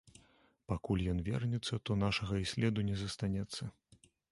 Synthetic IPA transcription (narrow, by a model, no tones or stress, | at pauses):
pakulʲjɔnvʲɛ̰rnʲɛt̪sːɐt̪ɔnaʂɐɣɐisʲlʲɛd̪unʲɛzɐst̪anʲɛt̪sːɐ